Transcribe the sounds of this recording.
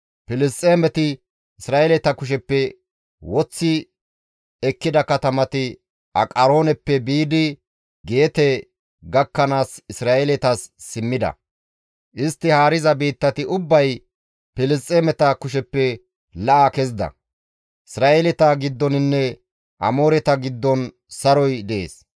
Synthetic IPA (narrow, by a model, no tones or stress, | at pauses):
pɪlɪst̪ʼːeːmɛt̪ɪ | ɪsɾaːɛlɛt̪ɐkʊʃ̬ɛpːɛ | wɔt͡sːɪ | ɛkːɪd̪ɐkɐt̪ɐmɐt̪ɪ | ʔɐ̰kʼɐɾo̞ːnɛpːɛbiːd̪ɪ | ɡe̞ːt̪ɛ | ɡɐkːɐnaːsɪsɾaːʔɛlɛt̪ɐsːɪmːɪd̪ɐ̰ | ʔɪst̪ːɪhaːɾɪzɐbiːt̪ːɐt̪ɪʔʊbːɐj | pɪlɪst͡sʼːemɛt̪akʊʃ̬ɛpːɛ | lɐʔakɛzɪd̪ɐ̰ | ʔɪsɾaːʔelɛt̪aɡɪd̪ːɔnɪnːɛ | ʔɐ̰moːɾɛt̪ɐɡɪd̪ːɔn | sɐɾɔjd̪ɛʔḛːs